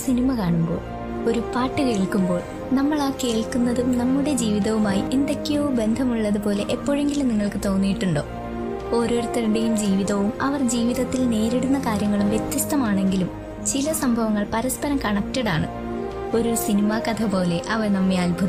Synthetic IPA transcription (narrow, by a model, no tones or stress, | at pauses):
sinimɐkaːɳumbo̞̰ːɭ | o̞ɾupaːʈːɨke̞ːɭkːumbo̞ːɭ | nɐmːɐɭaːkeːɭkunːɐðumnɐmːuɽe̞d͡ʑiːʋiðɐʋumaːjiʔind̪ɐkːijobe̞nd̪ʱɐmuɭːɐðupo̞ːle̞ʔepːo̞ːɻe̞ŋɡilumniŋːɐɭkɨt̪o̞ːnːijiʈːuɳɖo̞̰ː | o̞ːɾo̞ːrt̪ːɐɾuɽe̞jumd͡ʑiːʋiðɐʋumɐʋɐrd͡ʑiːʋiðɐt̪ːilne̞ːɾeɽunːɐkaːɾjɐŋːɐɭumʋjet̪ːjiɐst̪ɐmaːɳe̞ŋɡilum | t͡ɕilɐsɐmbʱɐʋɐŋːɐɭpɐɾɐspɐɾɐmkɐɳɐk̚tːɐɽaːɳɨ̰ | o̞ɾusinimɐkɐt̪ʰɐpo̞ːle̞ʔɐʋɐrnɐmːeaːlbʱɐð